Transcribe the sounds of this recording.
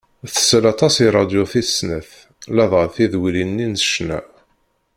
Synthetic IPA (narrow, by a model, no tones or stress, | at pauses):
θə̥sːəlɑt̪ˤɑsiɾˤɑd̪joθisnəθ | lɑðˤʁəθiðwilinːinsə̥ʃnæ̰